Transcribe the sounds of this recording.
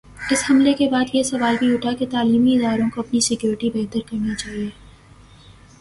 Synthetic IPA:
ɪshɐmlekebaːd̪jesɐʋaːlbʱiʊʈʰaket̪aːliːmiɪd̪aːɾõkoɐpnisɪkjoːɾɪʈibɛːt̪əɾkɐɾnit͡ʃaːɦieː

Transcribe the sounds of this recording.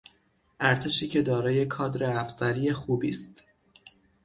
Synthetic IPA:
ʔæɾt̪ʰe̞ʃiːcʰe̞d̪ɒːɾɒːje̞kʰɒːd̪ɾeæfsæɾiːje̞xuːbiːst̪

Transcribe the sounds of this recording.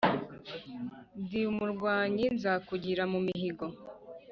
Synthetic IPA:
ndiumuɾɡwaːɲinzakuɟiɾamumiɦiɡo̞

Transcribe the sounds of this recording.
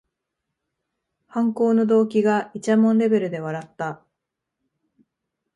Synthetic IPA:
hãŋko̞ːno̞d̪o̞ːkʲiɡait͡ɕamõ̞nɾe̞be̞ɾɯ̟d̪e̞β̞aɾat̪ːa

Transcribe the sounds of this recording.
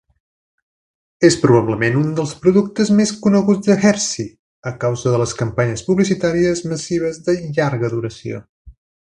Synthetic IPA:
espɾuβ̞aβləmenund̪əlˠspɾuðuk̚t̪əzmeskunəɣud͡zðəxɛɾsi | əkawzəðələskəmpaɲəspuβlisit̪aɾiəzməsiβ̞əzðəʎaɾɣəðuɾəsio̰

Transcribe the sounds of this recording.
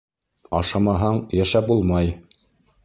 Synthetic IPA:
ɑ̰ʃɑmɑɦɑɴjæʃæp̚bulˠmɑj

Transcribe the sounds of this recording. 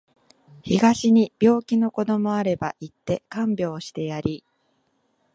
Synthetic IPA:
çiɡaɕiɲ̟ib̥ʲjo̞ːkʲino̞ko̞d̪o̞mo̞aɾe̞ba̰ʔit̪ːe̞kãmbʲjo̞ːɕi̥t̪e̞jaɾʲi

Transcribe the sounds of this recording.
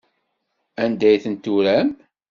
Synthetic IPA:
ænd̪æjθənt̪uɾæm

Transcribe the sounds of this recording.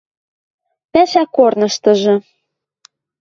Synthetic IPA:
pæʃækornɤ̆ʃt̪ɤ̆ʒɤ̆

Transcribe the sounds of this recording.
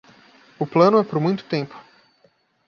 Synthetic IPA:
ʊplɐ̃nʊɛpoɾmũj̃t̪ʊ̥t̪ẽmpʊ̥

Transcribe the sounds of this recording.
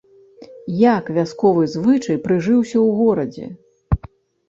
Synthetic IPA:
jakvʲaskɔvɨzvɨt͡ʂɐjpɾɨʐɨwsʲɐwɣɔɾɐd͡zʲɛ̰

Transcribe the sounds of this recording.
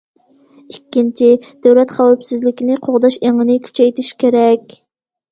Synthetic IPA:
ikʲːint͡ʃʰid̪̥øwlɛt̪χæwɑpsɪzlɪkʲinɪqʰoʁd̪ɑʃeŋənɪkʲʰy̥t͡ʃʰɛjt̪ʰɪʃkʲeɾɛkʲ

